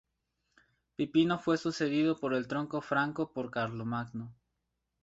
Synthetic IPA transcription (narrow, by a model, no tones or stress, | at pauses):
pipino̞fwe̞suse̞ðiðopoɾe̞lt̪ɾo̞ŋko̞fɾaŋkopoɾkaɾlomaɡno